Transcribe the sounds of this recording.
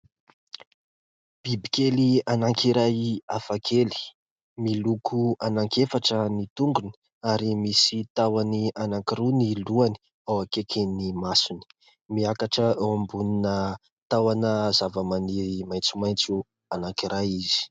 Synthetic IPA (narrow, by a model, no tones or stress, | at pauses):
b̥ibikelianaŋkiɾajafakʰeli̥ | milukʰuanaŋkefaʈ͡ʂənit̪uŋɡuni̥ | aɾimisit̪awanianaŋkiɾuniluani̥ | awakekʰinimasuni̥ | miakaʈ͡ʂəawambuninə | t̪awanəzavamanimajnt͡sumajnt͡su | anaŋkiɾajiz̥i̥